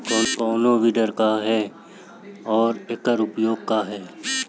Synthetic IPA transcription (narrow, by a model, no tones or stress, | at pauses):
kɔːnkɔːnobiɖəɾkaɦɛː | ɔːɾekəɾʊpjoːɡ̚kaɦɛː